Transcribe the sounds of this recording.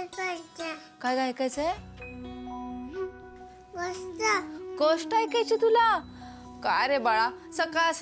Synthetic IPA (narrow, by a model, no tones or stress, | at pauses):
pət͡ɕakajɡajkajt͡səj | ʋəst̪akoʂʈajkat͡ɕit̪ula | kaɾebaɭa | səkaəs